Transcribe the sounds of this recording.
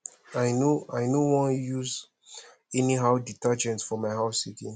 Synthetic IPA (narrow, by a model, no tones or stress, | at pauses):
ajnoajnowɔ̃njuz | ɛniɦaʊditad͡ʒɛ̃ntfɔmaɪɦaʊsikĩn